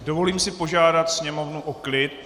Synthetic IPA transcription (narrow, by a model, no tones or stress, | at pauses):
do̞vo̞liːmsɪpo̞ʒaːdat̪sɲɛmo̞vnuʔoklɪt̪̚